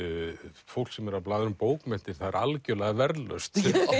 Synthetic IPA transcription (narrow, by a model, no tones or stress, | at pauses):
fowl̥ksɛmɛɾaplaːðʏɾʏmpoːwkmɛn̥t̪ɪɾ̥θaðɛɾalcœlaɣavɛɾlœ̰st̪